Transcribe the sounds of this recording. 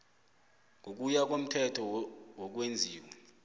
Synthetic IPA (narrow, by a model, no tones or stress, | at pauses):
ŋʱok̬ujak̬om̩tʰɛtʰɔwok̬wend͡zʱiːwɛ